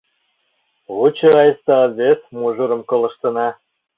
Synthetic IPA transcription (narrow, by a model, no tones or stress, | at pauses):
βut͡ɕɤ̆ɑjəst̪ɑɑzβʲesmuʒuɾɤ̆mkɤ̆lˠɤ̆ʃt̪ɤ̆nɑ